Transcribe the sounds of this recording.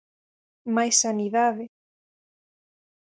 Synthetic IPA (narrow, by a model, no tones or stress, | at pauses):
majsaniðaðe